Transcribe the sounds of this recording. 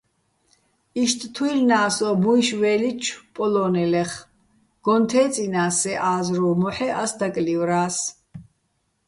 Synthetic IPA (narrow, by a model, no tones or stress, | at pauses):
iʃt̪ʼt̪ʰwilnaːsɔbuiʃvɛːlit͡ʃʰpʼɔlɔːnɛlɛχ | ɡ̥ɔnt̪ʰɛːt͡sʼinaːsɛʔaːzɾuːmɔħɛʔasd̪akʼlivɾaːs